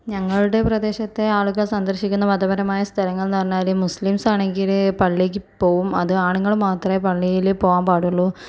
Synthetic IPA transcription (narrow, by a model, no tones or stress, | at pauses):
ɲɐŋːɐɭuɽe̞prɐd̪e̞ːɕɐt̪ːe̞aːɭuɣɐsɐnd̪ɐrɕikʲːunːɐʋɐd̪ɐbɐɾɐmaːjɐst̪ʰɐlɐŋːɐɭnɐɐrnːaːlumuslimsaːɳe̞ŋɡilpɐɭːik̬ʲːɨpːo̞ːɣumɐðɨaːɳuŋːɐɭmaːt̪rɐepɐɭːijilpoːɣaːmpaːɽuɭːu